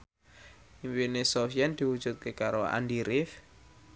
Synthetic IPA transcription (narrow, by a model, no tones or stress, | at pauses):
iŋwinesofiɛnd̪̥i̤wud̥ʒ̥ṳt̪̚kekaɾoa̰ndiɾɪf